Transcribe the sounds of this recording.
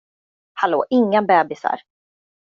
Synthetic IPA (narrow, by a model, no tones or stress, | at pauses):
halo̰ːʔɪŋːabɛːbɪsa̰ɾ